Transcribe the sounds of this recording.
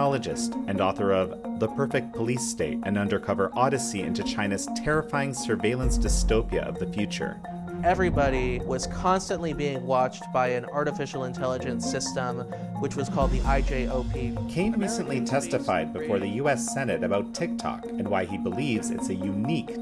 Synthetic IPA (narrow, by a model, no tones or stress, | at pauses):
ɑlˠəd͡ʒɨstɨ̃nɔθə˞ʌvðəpʰɜ˞fɪk̚t̚pʰəlisteɪɾɨ̰̃nʌ̃ndə˞kʰʌvə˞ʔɔɾɨsiɪ̰̃ntʉt͡ʃʰãɪ̃nɨz̥tʰɛɹɨfaɪɪ̃ŋsə˞veɪlˠə̃nsd̥ɨstoʊpiɨ̰ʔʌ̰vðɨfjʉt͡ʃə̰˞ | ɛvɹibɑɾiwʌz̥kʰɑ̃nstɨ̃nʔlibiɪ̃ŋwɑt͡ʃb̥aɪɨ̃nɑɹɾɨfɪʃl̩ˠə̃ntʰɛlˠəd͡ʒɨ̃nsɪstə̃m | wɨt͡ʃwʌz̥kʰɔlˠd̪̚ðiʔaɪd͡ʒeɪoʊpʰikʰẽɪ̃nɹisɨ̃nʔlitʰɛstɨfaɪd̚bɨfɔɹðɨjʉɛsɛnɨɾɨbaʊtʰɪk̚tʰɑ̰kɨ̃nwaɪibəlivzɨ̰tsɨjʉnik